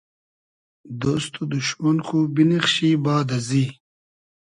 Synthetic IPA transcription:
d̪ost̪ud̪uɕmɐnkubiniχɕiːbaːd̪ɐziː

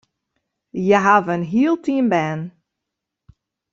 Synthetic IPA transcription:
jaɦavənɦiəlˠtʰiənbɛːn

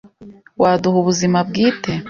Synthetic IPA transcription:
waːduhuβuzimab̚ɡiːte

